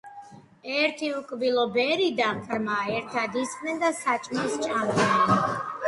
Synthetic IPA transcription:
ɛɾt̪ʰiukʼbilɔbɛɾid̪ampʰɾmaːɛɾt̪ʰad̪isχʼnɛnd̪asat͡ʃʼmist͡ʃʼamɔa

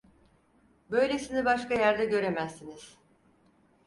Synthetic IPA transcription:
bø̞jlʲesinibaʃkajæɾd̪ɛɟø̞ɾe̞mæzːiniz̥

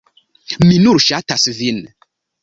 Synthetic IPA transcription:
minuɾʃat̪asvin

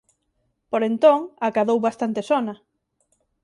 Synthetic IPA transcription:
poɾent̪oŋakaðowβast̪ant̪esɔnɐ

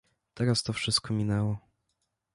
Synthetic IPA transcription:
t̪ɛɾast̪ɔfʂɘst̪̚kɔmʲinɛwɔ

